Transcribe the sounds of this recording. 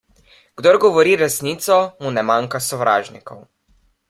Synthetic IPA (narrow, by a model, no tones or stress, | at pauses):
ɡ̥d̪ɔɾɡɔʋɔɾiːɾɛsniːt̪sɔmunɛmaːŋkasɔʋɾa̰ːʒnikɔw